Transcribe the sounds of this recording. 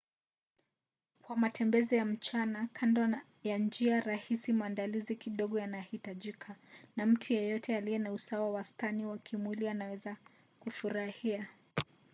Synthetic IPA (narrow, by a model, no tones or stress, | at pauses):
kwamatʰɛmbɛzijam̩t͡ʃanakʰanda | jand͡ʒiaɾahisimaːndalizikiɗɔɠɔjanahitaʄikʰanam̩tʰijɛjɔtʰɛaliɛnausawawastaniwakʰimwilianawɛza | kufuɾahia